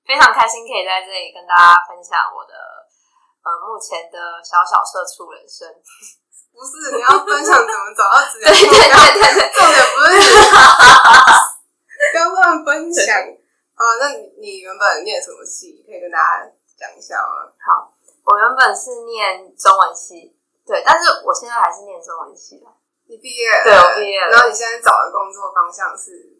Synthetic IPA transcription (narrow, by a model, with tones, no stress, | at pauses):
fe˥ɪʈ͡ʂʰɑ˧˥ŋkʰa˥ɪɕi˥ŋkʰə˧˥i˨˩t͡sa˥˧ɪʈ͡ʂɤ˥˩li˨˩kə˦nt̪a˥t͡ɕa˥fə˦˥nɕjɑ̰˨˩˦ŋwɔ̰˨˩d̪ə̰˦ | ə˧˩mu˥˩t͡ɕʰjɛ˧˦nd̪ə˧ɕjɑ˧˥ʊɕjɑ̰˨˩ʊʂɤ˥˧˩ʈ͡ʂʰu˥˩wə̰˨˩nʂə˦˥n˥˩˨ | i˨˩jɑ˥˩ə˥nɕjɑ˨˦ŋnə˧˩˨mə˦t͡sa˨˩ʊɑ˥˩ʈ͡ʂ̩̪˧˩we˥˩ɪt̪e˥˧˥t̪we˥˧ɪt̪we˥˩ɪo˥˩ɛ˨˩˧ə˥˩ | kɑ˥kɑ˥˨fə˦˥n˨a˨˩n | ə˧na˥˩ni˨˩ni˨˩ɥə˧˥npə˨˩nnjɛ˥˩nʂə˥ŋwə̰˧˩nt͡ɕʰi˥˩i˨˩kʰə˦˥i˨˩k̪e˥nt̪a˥˩t͡ɕa̰˥ | t͡ɕjɑ̰˨˩ŋi˥ɕjɑ̰˥˩ʊlə̰˩hɑ˨˩˦ | wɔ˨˩ɥə˧˦npə˨˩nʂɻ̩˥˧njɛ˥˨˩nʈ͡ʂɔ˥ŋwə˧˥nt͡ɕʰi˧˥˩ | t̪we˥˩ɪt̪a˥˧nʂɻ̩˥˩wɔ̰˨˩ɕjɛ˥˧nt͡sa˥ɪxa˧˥ɪʂɻ̩˥˧jɛ˥˩nʈ͡ʂo˥ŋwə̰˧˦nt͡ɕʰi˧˥d̪ə˨˩ | ni˨˩pi˥˧jɛ˥˩t̪we˥˩ɪi˨˩pi˧˥˩jɛ˥˩a˨˧˥o˥˩ni˨ɕjɛ˥˧nt͡sa˥ɪt͡sɑ˨˩ʊd̪ə̰˦kʊ˥ŋt͡swɔ˥˩fɑ˥ŋɕjɑ˥˧ŋʂɻ̩˥˩